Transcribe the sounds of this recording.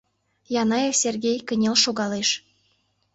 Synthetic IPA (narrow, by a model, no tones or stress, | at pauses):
jɑnɑjeksʲerɡʲejkə̆nʲelʃoɣɑleʃ